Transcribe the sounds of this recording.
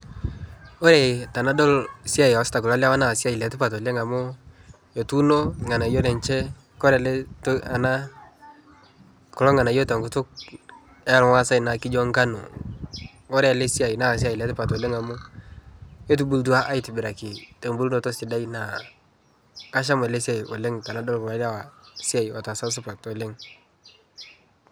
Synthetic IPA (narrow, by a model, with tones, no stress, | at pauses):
o˦ɾe˨ta˨na˦dɔ˦lsi˦a˦˨ji˨ɔ˦sta˨kʊ˨la˦la˦wa˦na˨si˦a˦˨i˨le˨˦tu˦pa˨tɔ˨le˦ŋa˨mʊ˦ | e˨tu˦no˦ŋa˨na˨jo˦le˨nt͡ʃɛ˦ | kɔ˦ɾe˨le˦ta˨na˦ | kɔ˨lɔ˦ŋa˨na˨jo˦ta˨ŋɡʊ˨tʊ˦k̚ | ɛ˦˨lŋa˦sa˦jna˨kɪ˦d͡ʒɔ˦ŋka˦nṵ˨ | ɔ˦ɾɛ˦a˨le˦si˦a˨ji˨na˦˨s̬i˦a˦˨jle˨˦tɪ˦pa˨to˨le˦ŋa˨mʊ˦ | e˦t̬u˨bu˦lt̬u˦a˦ʔa˦i˦tɪ˨bɪ˨ɾa˨kɪ˨te˨mbu˦lno˨tɔ˦sɪ˨da˦i˦na˨ | ka˦ʃ̬a˦m˨ɛ˨le˦si˦a˨ji˨o˨le˦ŋta˨na˦dɔ˦lkma˨˦a˦˨wa˨si˦a˨ji˨wa˨ta˨sa˦s̬ʊ˦pa˨to˨le˦ŋ